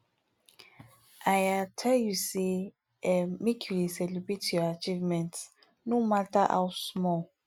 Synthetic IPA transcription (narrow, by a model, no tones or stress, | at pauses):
ʔajatʰɛljuse | ɛmekʰjudesɛlibɹetjɔat͡ʃivmɛ̃nt | nomataʔa̰wsmɔ